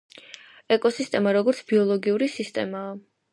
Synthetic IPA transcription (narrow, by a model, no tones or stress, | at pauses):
ɛkʼɔsist̪ʼɛmaɾɔɡɔɾt̪sʰb̥iɔlˠɔɡiuɾisist̪ʼɛmaː